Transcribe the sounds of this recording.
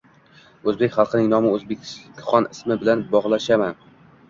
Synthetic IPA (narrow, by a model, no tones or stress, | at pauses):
ɵzbekʲχɑlˠqʰɨnɪŋnɒmɪɵzbekʲχɒnɪsmɪbɪlanbɒʁlˠaʃaman